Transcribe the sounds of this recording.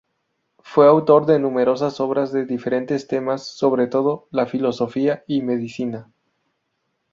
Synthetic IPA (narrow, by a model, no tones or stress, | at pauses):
fwe̞awt̪o̞ɾðe̞nũme̞ɾo̞s̬aso̞βɾazðe̞ðife̞ɾe̞nt̪e̞st̪e̞masːo̞βɾe̞t̪o̞ðo̞lafilo̞so̞fiaime̞ðisina